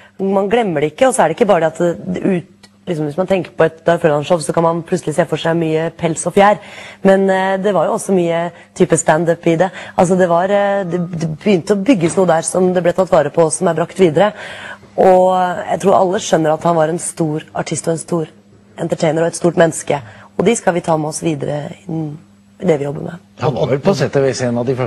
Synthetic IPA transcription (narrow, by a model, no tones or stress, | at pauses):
mɑnɡlɛmːəɖɛɪkːəɔsɔæɖɛɪkːəbɑːɾəɖ̪ɛɑt̪ʉːt̪ | lɪksɔmʋɪsmɑnt̪ʰɛŋkəɾpɔɛt̪d̪ɑɾfølɑnʂɔpsɔkʰɑnmɑnp̪ʰʉt̪səlɪseːfɔʂæɪmyːəpʰɛlsɔfjæːɾmɛnd̪ɛʋɑɾjʊɔsɔmyːə | t̪ʰyːpəst̪ænd̪œpɪd̪ɛʔɑls̬ɔd̪ɛʋɑɾd̪ɛd̪ɛbəjʏnt̪əɔbʏɡːəsnuːəd̪æːɾsɔmd̪ɛblɛt̪ɑt̪ːʋɑːɾəpʰɔsːɔmæɾbɾɑkt̪ʋiːd̪əɾə | ɔjæ̰ɪt̪ʰɾuːɾʔɑ̰lːəʂœnːəɾɑt̪hɑnʋɑɾɛnst̪uːɾɑʈʰɪst̪ɔɛnst̪uːɾ | ɛnt̪əʈʰeɪnəɾɔɛt̪st̪uːʈmɛnːskəɔd̪ɛskɑlʋɪt̪ʰɑːmɛɔsʋiːd̪ə̰ɾə̰ɪnː | ɪd̪ɛʋɪjɔbːə̰ɾmɛ̰ɑʋɛlpʰɑsɛːt̪əʋɛsenɑd̪ɪfɛ